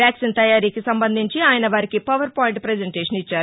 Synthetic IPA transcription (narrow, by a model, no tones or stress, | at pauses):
jaːksint̪ɐjaːɾiːkisɐmbɐnd̪ʱiɲt͡ʃiaːjɐnɐʋaːɾikipɐʋɐɾpaːjiɳʈpɾed͡ʒeɳʈeːʂɐnit͡ʃːaːɾu